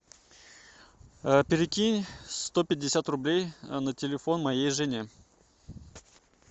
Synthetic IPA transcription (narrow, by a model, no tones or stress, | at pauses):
pʲɪɾʲɪkʲinʲst̪opʲɪdʲːɪsʲat̪rʊblʲejnətʲɪlʲɪfo̞nmɐjejʐɨnʲe